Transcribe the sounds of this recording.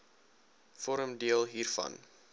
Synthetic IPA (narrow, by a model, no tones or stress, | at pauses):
fɔɾəmdiəlˠɦiːrfɐ̰n